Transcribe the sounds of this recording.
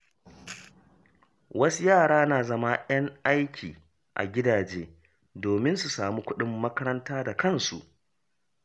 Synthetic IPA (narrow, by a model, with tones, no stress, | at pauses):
wɐ˦su˦jaː˦˨ɽaː˦naː˨zɐ˦ma˦j̰ɐ˦ŋʔa˦jkʲʰiː˨ | ʔa̰˨ɡʲɪ˦daː˨d͡ʒeː˦ | doː˨mɪ˦nsu˨saː˨mu˦kʷʊ˦ɗɪ˦mːɐ˦kɐ˦ɾɐ˦ntaː˦da˨kɐ˦˨nsṵ˨ʔ